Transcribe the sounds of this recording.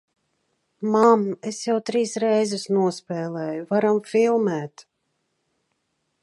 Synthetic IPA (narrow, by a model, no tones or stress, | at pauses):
mamesjawt̪ɾiːsɾɛjzusnuɔspɛːlˠɛːjuvaɾamfʲilˠmæːt̪